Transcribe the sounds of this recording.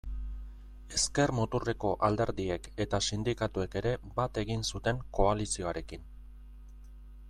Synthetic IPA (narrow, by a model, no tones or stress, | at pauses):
e̞ske̞rmot̪ure̞ko̞ʔald̪e̞ɾðie̞ke̞t̪asind̪ikat̪ue̞ke̞ɾe̞bat̪e̞ɣinsut̪e̞ŋko̞alisio̞aɾe̞kin